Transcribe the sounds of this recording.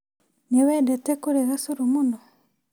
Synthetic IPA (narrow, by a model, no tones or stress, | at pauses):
newɛdɛtekuɾeɣasuɾumunɔ